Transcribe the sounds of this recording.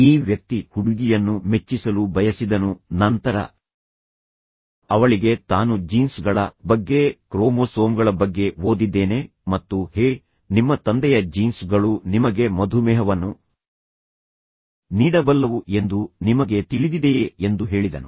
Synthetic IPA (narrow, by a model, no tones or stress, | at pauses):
iːʋjɐk̚t̪ihuɽuɡijɐnːume̞t͡ʃːisɐlubɐjɐsid̪ɐnunɐnt̪ɐɾɐ̰ | ɐʋɐɭiɡe̞t̪aːnud͡ʒiːnsɡɐɭɐbɐɡːe̞kɾoːmoːsoːmɡɐɭɐbɐɡːe̞ʋo̞ːd̪id̪ːe̞ːne̞ | mɐt̪ːuheː | nimːɐt̪ɐnd̪ɛjɐd͡ʒiːnsɡɐɭunimɐɡe̞mɐd̪ʱumɛːɦɐʋɐnːu | niːɽɐbɐlːɐʋue̞nd̪unimɐɡe̞t̪iɭid̪id̪e̞end̪uɦe̞ːɭid̪ɐnu